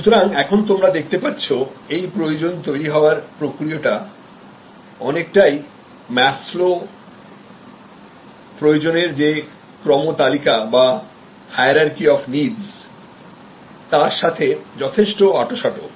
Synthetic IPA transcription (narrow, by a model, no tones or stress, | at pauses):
ʃut̪oɾaŋɛkʰont̪̬omɾad̪ek̚ʰt̪epatːɕʰoejpɾojod͡ʑont̪ojɾiɦɔoaɾpɾokɾioʈa | ɔnek̚ʈaj | mɛslo | pɾojod͡ʑoneɾd͡ʑe | kɾɔmot̪alikaba | haeɾaɾkiɔfniɖs | t̪aɾʃat̪ʰed͡ʑɔt̪ʰeʃʈoaʈoʃaʈo